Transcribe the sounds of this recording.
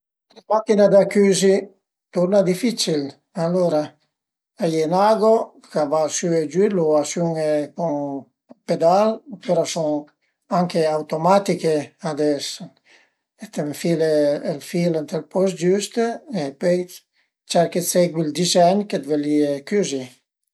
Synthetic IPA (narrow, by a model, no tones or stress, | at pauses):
makinad̪akyːzi | t̪uɾnad̪ifit͡ʃil | aloɾa | ajenaɡo | kabasyed͡ʒyloasyŋekuŋ | ped̪alpeɾɔsoŋ | aŋkeawt̪omat̪ikead̪ɛs | et̪emfileːlfilent̪elpɔsd͡ʒyst̪epøj | t͡ʃɛɾkeseɡwild̪izɛɲked̪veliekyzi